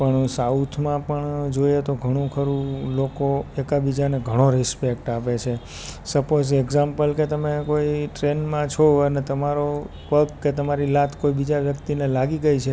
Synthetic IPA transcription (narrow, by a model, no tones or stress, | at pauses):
pəɳsaut̪ʰmãpəɳd͡ʒojet̪oɡʱəɽ̃ũkʰəɾũlokoekabid͡ʒaneɡʱəɽ̃oɾɪspek̚ʈapet͡ʃʰe | səpozeɡzampəlket̪əmekoiʈɾenmãt͡ʃʰɔənet̪əmaɾo | pəkːet̪əmaɾilat̪ʰkoibid͡ʒaʋjəkt̪inelaɡiɡəjt͡ʃʰe